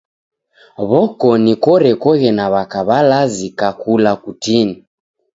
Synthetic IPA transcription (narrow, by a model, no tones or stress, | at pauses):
βɔkɔnikɔɾɛkɔɣɛnaβakaβalazikakʰulakutini